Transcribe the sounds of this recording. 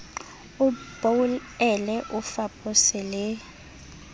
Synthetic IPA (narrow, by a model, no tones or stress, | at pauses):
ub̥oulɛlɛʔufapʰʼɔsɛlɛ